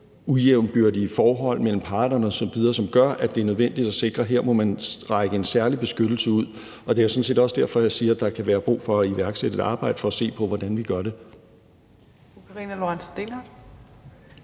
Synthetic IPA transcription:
ujeʊ̰nb̥yɐdiəfɒːɦɒ̽l̰mel̰m̩pʰɑ̈ːd̥nɐnɒsɒ̽ʋið̞ˠɐsɒ̽mɡ̥ɶɐʔæd̥e̝æɐnøð̞ˠʋen̰d̥id̥æse̝ɡ̥ʁɐɦeɐ̰mɒ̽mænʁɑ̈ɪɡ̥əe̝nsæɐlib̥e̝sɡ̥ød̥l̩səuð̞̰ˠ | ɒ̽d̥eɐjsɒ̽n̩se̝̰ːd̥ɒ̽sd̥æɐ̰fɒ̽jasiːɐd̥ɑ̈kʰæʋæːɐb̥ʁṵːfɒ̽æiʋæɐɡ̥seɾ̥ə̥ɑ̈ːb̥ɑ̈ɪ̰d̥ə̥fɒ̽æse̝̰ːpʰɒ̽ʋɒd̥ænʋiɡ̥ɶɐɾe̝ | ukʰɑʁḭnælo̝ansd̥enḁ

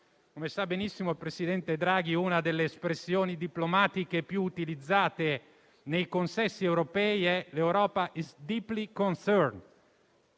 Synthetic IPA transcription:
komesabːenisːimolpɾesid̪ɛnt̪ed̪ɾaːɡiunad̪elːeːspɾesːjoːnid̪iplomaːt̪ikepjuːt̪ilid̪zːaːt̪e | nejkonsɛsːiewɾopɛːiɛlewɾɔːpaʔizd̪iːplikonsɛɾn

